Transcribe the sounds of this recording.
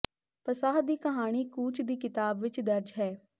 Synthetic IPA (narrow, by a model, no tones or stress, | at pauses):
pəsaːɦd̪iːkəɦaːɽ̃iːkuːt͡ʃd̪iːkɪt̪aːbʋɪt͡ʃd̪əɾd͡ʒɦɛː